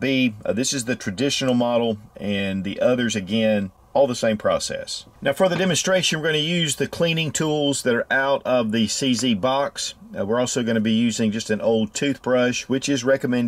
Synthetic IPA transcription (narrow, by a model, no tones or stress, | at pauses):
biðɪsɨzðɨtʰɹ̥ɨdɪʃn̩l̩ˠmɑɾl̩ˠʔɨ̃nðiʔʌðə˞zɨɡɛ̃n | ɔlˠðəsẽɪ̃mpʰɹ̥ɔ̰sɛ̰snaʊfə˞ðɨdɛmɨ̃nstɹ̥eɪʃɨ̃nwəɹɡʌnɨjʉzðɨkʰl̥ĩnɪ̃ŋtʰulˠzðɨɾə˞ʔaʊɾʌvðɨsizibɑkswɨɹɔlˠsoʊɡʌnɨbijʉzɪ̃ŋd͡ʒʌstɨ̃noʊlˠd̚tʰʉθb̥ɹʌʃwɨt͡ʃɨzɹɛkɨmɛ̃n